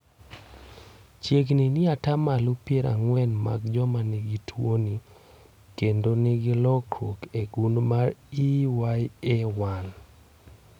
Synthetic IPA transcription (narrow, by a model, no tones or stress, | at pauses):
t͡ʃjeɡninɪatamalupjeɾa̰ŋwɛnma̰ɡd͡ʒɔmaniɡitʰwoni | kendonɪɡilɔkɾokeɡundmaɾiwajɛwan